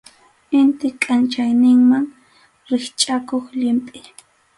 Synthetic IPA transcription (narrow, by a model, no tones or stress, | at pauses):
ɪnt̪ɪkʼant͡ʃajnɪŋmaŋ | ɾɪχt͡ʃʼakoχʎɪmpʼɪ